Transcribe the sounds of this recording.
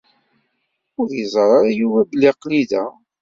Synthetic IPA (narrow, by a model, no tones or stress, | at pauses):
ʊɾjəzˤɾˤɑɾˤajuvæblːiqliðæ